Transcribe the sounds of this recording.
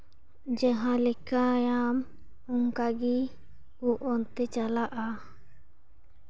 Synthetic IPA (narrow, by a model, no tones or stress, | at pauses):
d͡ʒəɦãlɛkajam | uŋkaɡi | uʔɔnt̪ɛt͡ʃalaʔa